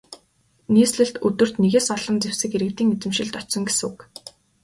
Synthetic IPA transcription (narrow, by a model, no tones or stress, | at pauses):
niːsɮɘ̆ɬt̪ɵt̪ɵ̆r̥t̪neɣeːsɔɮɞ̆nt͡sewsɘ̆kxeɾɘ̆kt̪iːŋet͡sɘ̆mʃɪ̆ɮt̪ɔt͡ɕsɞ̆ŋɡesuk